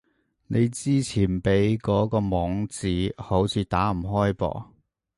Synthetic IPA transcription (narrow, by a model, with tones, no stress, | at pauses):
ne˨˧jt͡siː˥t͡sʰiː˨˩npe˨˥jkɔː˨˥kɔː˧mɔː˨˥ŋt͡siː˨˥ho˨˥wt͡sʰiː˨˧t̪aː˨˥m̩˨˩ɦɔː˥jpɔ̰ː˧˩